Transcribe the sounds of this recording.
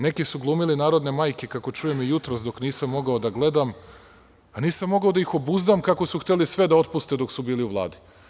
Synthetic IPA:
ne̞kisuɡlˠuːmilinaːɾo̞d̪ne̞maːjkekako̞t͡ʃujemijut̪ɾosd̪o̞kniːsamːo̞ɡaod̪aɡle̞d̪am | aniːsamːo̞ɡao̞d̪aixo̞buzd̪amkakosuxt̪elisʋe̞d̪ao̞t̪pust̪ed̪o̞ksubiːliuʋlˠa̰ːd̪i̥

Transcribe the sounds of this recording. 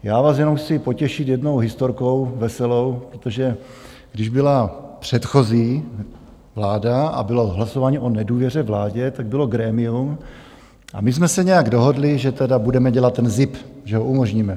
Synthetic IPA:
jaːvaːsjɛnomxt͡sɪpo̞cɛʃɪt̪jɛdno̞wɦɪst̪oɾko̞wvɛsɛlo̞wpɾot̪oʒɛ | ɡdɪʒbɪlapr̝̥ɛt̪xo̞ziː | vlaːdaa̰bɪlo̞ɦlasovaːɲiʔonɛduːvjɛr̝ɛvlaːɟɛt̪aɡ̚bɪlo̞ɡɾɛːmɪum | ʔa̰mɪzmɛsɛɲɛjaɡdo̞ɦo̞dlɪʒɛt̪ɛdabudɛmɛɟɛlat̪ːɛnzɪpʒɛɦoʔumo̞ʒɲiːmɛ

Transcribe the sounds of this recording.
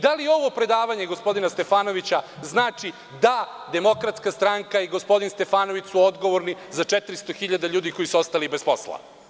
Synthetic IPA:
d̪alijeo̞ʋo̞pɾe̞d̪aːʋaɲeɡospo̞d̪inast̪e̞faːno̞ʋit͡ɕaznaːt͡ʂi | d̪ad̪e̞mo̞kɾat̪skast̪ɾaŋkaiɡo̞spo̞d̪inst̪e̞faːno̞ʋit͡ɕsuod̪ɡo̞ʋo̞ɾnizat͡ʂet̪ɾist̪oxiʎad̪aʎuːd̪iko̞jisuost̪alibespo̞̰slˠa̰

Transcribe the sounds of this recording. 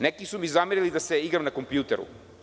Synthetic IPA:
nɛkisumizamiɾilid̪asɛiɡɾamnakompjut̪ɛɾṵ

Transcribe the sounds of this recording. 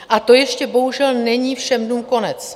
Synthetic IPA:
ʔat̪o̞jɛʃcɛbo̞ɦuʒɛlnɛɲiːfʃɛmduːmko̞nɛt͡s

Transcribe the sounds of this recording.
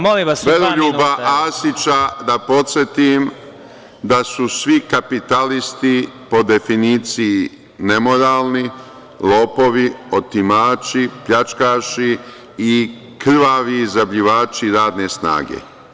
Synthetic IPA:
moliaʋeloʎuːbaaːsit͡ʃad̪apo̞t̪sʲjet̪im | d̪asusʋikapit̪alist̪ipo̞d̪e̞finiːt̪siː | nemo̞ɾaːlˠni | loːpo̞ʋiot̪imaːt͡ʃipʎat͡ʃkaːʃi | i | kr̩ʋaʋiːzabʎiʋaːt͡ʃiɾaːd̪ne̞sna̰ːɡḛ

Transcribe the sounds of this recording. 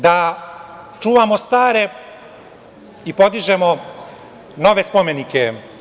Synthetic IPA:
d̪a | t͡ʃuːʋamo̞st̪aːɾe̞ | ipo̞d̪iʒe̞mo | no̞ʋe̞spo̞me̞nike

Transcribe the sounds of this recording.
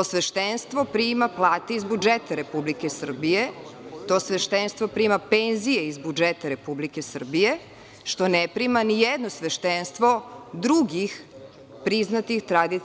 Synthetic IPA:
osʋeʃt̪enst̪ʋo̞pɾimaplˠaːt̪eizbud͡ʒet̪aɾe̞publikesr̩bijet̪o̞sʋeʃt̪enst̪vʋo̞pɾimapenzijeizbud͡ʒet̪aɾe̞publike̞sr̩bije̞ | ʃt̪o̞nepɾimanijed̪nosʋeʃt̪enst̪ʋo̞d̪ɾuɡix | pɾiznat̪ixt̪ɾad̪i

